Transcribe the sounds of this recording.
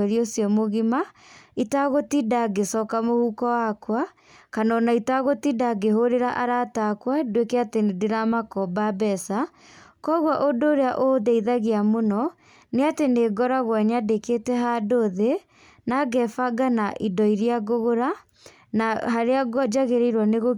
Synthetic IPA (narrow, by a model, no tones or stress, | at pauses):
ɛɾiosjɔmoɣimaitaɣotidaɡesɔːkamohuːkɔwakwa | kanɔnaitaɣotidaɡeɦoɾeɾaʔaɾatakwadwekeatenedeɾamakɔbabɛsa | kɔɣwaʔodoːɾeaʔoðeiðaɣeamonɔ | neateneɡɔɾaɣwɛɲadeketɛɦadoðe | naɡɛfaɡanaʔidɔiɾiaɣoɣoɾa | naɦaɾeaɡɔd͡ʒaɣeɾeiɾwaneɣo